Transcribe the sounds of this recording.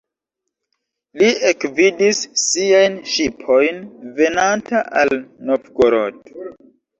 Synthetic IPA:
liekvidisːiajnʃipʰo̞jnve̞nantaʔalnofɡoɾoto̥

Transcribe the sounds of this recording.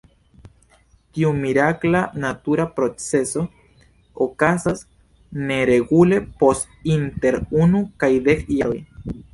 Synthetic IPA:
t̪iumiɾaklanat̪uɾapɾo̞t͡se̞so̞ | okasas | ne̞ɾe̞ɡule̞post | int̪e̞ɾunukajd̪e̞kjaɾoj

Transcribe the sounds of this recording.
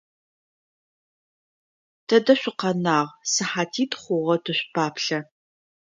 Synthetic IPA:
tʰɐdɐɕʷɪqɐnaːʁsɨħaːtʰiːtχʷʊʁɐtʰɨɕʷpʰaːpɬɐ

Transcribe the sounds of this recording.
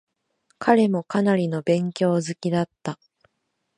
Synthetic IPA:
kʰaɾe̞mo̞kanaɾʲino̞bẽ̞ŋkʲo̞ːzɨkʲid̪at̪ːa

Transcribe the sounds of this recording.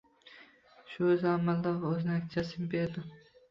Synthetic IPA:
ʃʊzamald̪avoznakʲt͡ʃʰasɪmbeɾd̪ʊ

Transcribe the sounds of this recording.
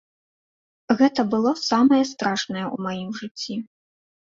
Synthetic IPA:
ɣɛt̪ɐbɨlˠɔsamɐjɐst̪ɾaʂnɐjɛṵmajimʐɨt͡sʲːi

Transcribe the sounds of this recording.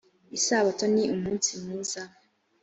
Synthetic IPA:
isaβatoniʔumuːnsimuːza

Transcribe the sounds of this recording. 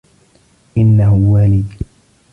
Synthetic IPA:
ʔɪnːahʊwaːlɪd̪

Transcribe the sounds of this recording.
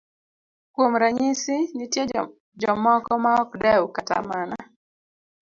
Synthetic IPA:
kwomɾaɲɪsɪnitje | d͡ʒɔmɔkɔmaɔkdɛwkata̰mana

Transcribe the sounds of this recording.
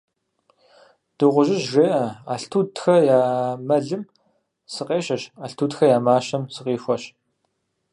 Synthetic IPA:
d̥ɨʁʷʊʒɪʑʒeːʔɐaːɬtʰuːdxɐjaːmɐɮɨm | sɨqeːɕɐɕaːɬtʰuːtxɐjaːmaːɕɐmsɨqiːfʷɔɕ

